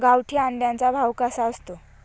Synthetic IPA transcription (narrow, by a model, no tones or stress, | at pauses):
ɡawʈʰiːãɳɖ̪jant͡sabʱawkasaəst̪o